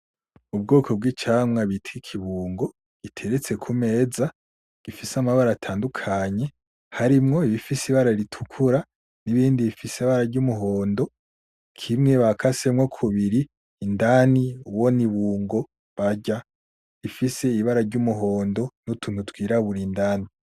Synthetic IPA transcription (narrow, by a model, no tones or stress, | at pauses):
ub̚ɡoːkʰo̞b̚ɡiːt͡ʃaːmŋaβitʰwikʰiβuːŋɡo̞ | ɡ̥itʰe̞ɾet͡se̞kʰume̞ːza | ɡ̥ifisamaβaɾatʰaːndukʰaɲe̞ | haɾimŋo̞iβifisiβaɾaiɾitʰu̥kʰuɾa | niβiːndiβifiseβaɾaɾɟumuɦo̞ːndo̞ | kʰimŋe̞βakʰasemŋokʰuβiɾiː | ndaniuwo̞niβuːŋɡo̞ | βaɟa | ifise̞iβaɾaɾɟumuɦo̞ːndo̞nutun̥utɡwiːɾaβuɾindaːni